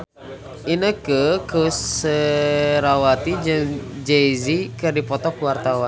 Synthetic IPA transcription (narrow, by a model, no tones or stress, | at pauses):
ʔinəkəkʰəsːəɾawat̪id͡ʒəŋd͡ʒeizikɨrdipɔt̪ɔkuwart̪awa